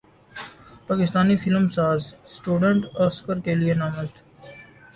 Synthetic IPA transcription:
paːkɪst̪aːnifɪlmsaːzsʈuːɖə̃ɳʈɔːskəɾkelienaːməlt̪ʰː

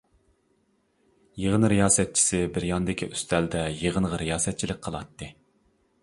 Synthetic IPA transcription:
jeʁənɾijɑːsɛt̪̚t͡ʃʰi̥sɪbɪɾjɑnɨd̪ɪkʲʰiʔyst̪ʰɛld̪ɛjeʁənʁəɾijɑːsɛt̪̚t͡ʃʰilɪk̚ʲqʰəlˠɑt̪ːɨ

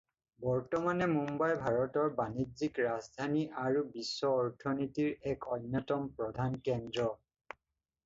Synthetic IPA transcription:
bɔɹtɔmanɛmumbajbʱaɹɔtɔɹbanizikɹazdʱaniʔaɹubisːɔːɹtʰɔnitiɹɛkɔnːɔtɔmpɹɔdʱankɛndɹɔ

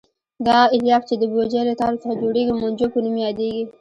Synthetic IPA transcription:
d̪ɑɪljɑft͡ʃed̪əbod͡ʒelət̪ɑɾosad͡ʒoɽeɡimand͡ʒopənumjɑd̪eɡi

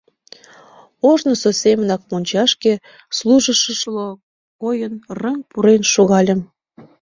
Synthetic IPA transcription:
oʒnəsosemənɑk̚monʲt͡ɕɑʃke | slˠuʒə̆ʃəʃlo | kojənrəŋpuɾenʃoɣɑlʲə̆m

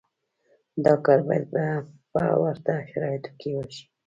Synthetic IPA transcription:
d̪ɑkaɾbɑjad̪bapa̰waɾt̪aʃaɾɑjet̪o̥kewoʃi̥

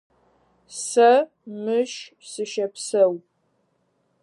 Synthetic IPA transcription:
sɐ | mɨʃ | sɨʃɐpsɐw

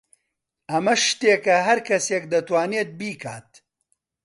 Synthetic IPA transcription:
ɐmɐʃt̪eːkɐɦɐɾkʰɐseːk̚d̪ɐt̪waːneːt̪̚biːkʰaːt̪̚

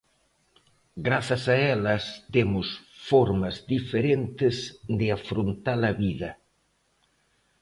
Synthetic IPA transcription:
ɡɾaθɐsɐɛlɐst̪emʊsfɔɾmɐzd̪ifeɾent̪ɪzd̪ɪafɾont̪alɐβiðɐ

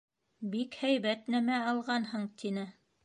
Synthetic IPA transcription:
bikhæjβæt̪næmæɑlˠʁɑnhɤɴt̪ʰinɘ

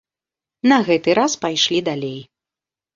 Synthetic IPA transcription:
nɐɣɛt̪ɨɾaspajʂlʲid̪alʲej

